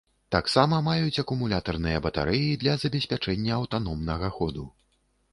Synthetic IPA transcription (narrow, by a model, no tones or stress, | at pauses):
t̪aksamɐmajut͡sʲɐkumulʲat̪ɐrnɨjɐbɐt̪a̰ɾɛjid̪lʲɐzɐbʲɛsʲpʲat͡ʂɛnʲːɐːwt̪anɔmnɐɣɐxɔd̪u